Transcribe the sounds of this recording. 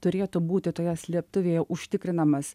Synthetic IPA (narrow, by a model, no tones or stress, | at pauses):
t̪ʊɾʲeːt̪uːbuːt̪ʲɪt̪oːjɛsʲlʲiɛp̚t̪ʊʋʲeːjɛʔʊʃʲt̪ʲɪkɾʲɪnɐmɐs